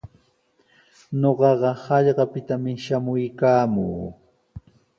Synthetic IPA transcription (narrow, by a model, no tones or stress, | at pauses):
ɲoɢɑɢɑhɑʎɢɑpɪt̪amɪʃamʊjkaːmuː